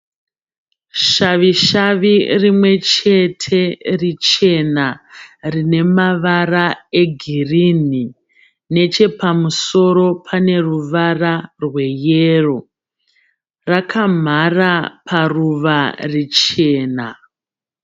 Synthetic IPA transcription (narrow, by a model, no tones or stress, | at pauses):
ʃaʋiʃaʋirimwe̞t͡ʃe̞tʰe̞rit͡ʃe̞narine̞maʋarae̞ɡʱirini | ne̞t͡ʃe̞pamuso̞ɾo̞pʰane̞ruʋararwe̞jero̞ | rakam̤arapʰaruʋarit͡ʃe̞ːna